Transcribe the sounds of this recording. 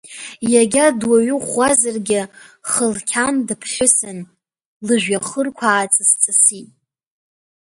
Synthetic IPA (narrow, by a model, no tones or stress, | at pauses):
jaɡʲadwaɥɨχazarɡʲɪχəlkʲʰandɨpʰχʲɪsɨn | lɨʒᶣaχərkʷʰaːt͡sʼast͡sʼɨsitʼ